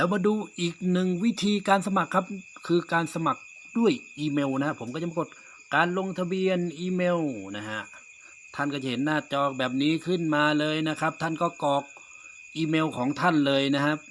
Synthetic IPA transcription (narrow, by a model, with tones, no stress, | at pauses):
lɛː˦˥˩wmaː˧˥duː˧ʔiː˨˩k̚nɯ˨˩ŋwi˦˥t̪ʰiː˧kaː˧nsa˧ma˨˩kʰːa˦˥p̚kʰɯː˧kaː˧nsa˧ma˨˩k̚ | du˥˩əjʔiː˧meː˧wna˦˧ha˧˩pʰo˩˦mkɔː˧˩t͡ɕa˧˥˦pa˧ko˧˩t̪̚ | kaː˨nlo˧ŋt̪ʰa˧bi˧ənʔiː˧meː˧wna˦˧ɦa˧ʔ | t̪ʰa˧˥˩nkɔː˧˩t͡ɕa˧˩he˨˦nːaː˧˩t͡ɕɔː˧k̚bɛː˨˩p̚niː˦˥kʰɯ˥˩˨nmaː˧lɤː˧jna˦˥kʰa˦˥p̚t̪ʰa˧˥˩nkɔː˧˥˩kɔː˨˩k̚ | ʔiː˧meː˧wkʰɔː˨˦ŋt̪ʰa˧˥˩nlɤː˧jna˦˥ɦa˧˥p̚